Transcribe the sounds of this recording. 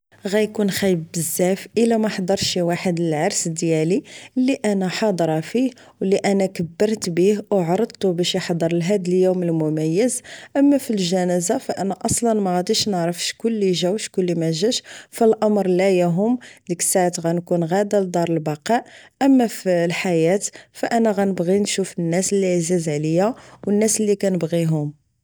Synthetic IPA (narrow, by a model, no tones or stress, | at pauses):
ɣæjkunxæjəbːəzːæfʔəlæmæħd̪ˤɑɾˤʃiwaħəd̪əlʕɑɾˤsd̪jæliəlːiʔænæħɑd̪ˤɾˤɑfih | wliʔænækəbːəɾˤt̪bihwʕɑɾˤəd̪̚ˤt̪ubæʃjəħd̪ˤəɾˤəlɦæd̪əljuməlmʊmæjːəzʔəmːæfilʒænæzafæʔənːæʔɑsˤlɑnmæɣæd̪iʃnəʕɾəfʃkʊlːiʒæwʃkʊlːimæʒæʃfilʔɑmɾˤlæjæɦʊmd̪əkə̥sːaʕt̪ɣænkunɣæd̪æld̪ˤɑɾˤəlbɑqɑʔʔəmːæfilħajæt̪fæʔænæɣænəbɣinʃufənːæsəlːiʕzizʕlijæwənːæsəlːikænəbɣiɦʊm